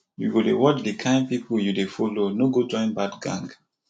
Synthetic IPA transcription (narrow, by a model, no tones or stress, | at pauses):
jṵɡodḛwɔt͡ʃdikʰãɪ̃npipujudefɔlonoɡod͡ʒɔ̃ɪ̃nbadɡã̰ŋɡ